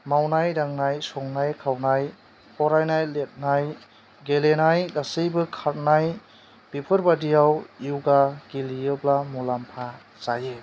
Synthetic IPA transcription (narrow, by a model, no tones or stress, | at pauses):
mawnajɾaŋnajsɔŋnajkʰawnaj | pʰɔɾajnajlet̚naj | ɡelenajdasɯjbɯkʰaɾ̚naj | b̥ipʰɯɾbadijawiwɡaɡ̥ilijɯblamulampʰa | zajɯ